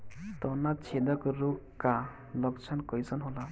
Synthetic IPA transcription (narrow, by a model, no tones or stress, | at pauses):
t̪ɔnat͡ʃʰed̪ɔkɾukka | lɔkt͡ʃʰankɔjsɔnɦola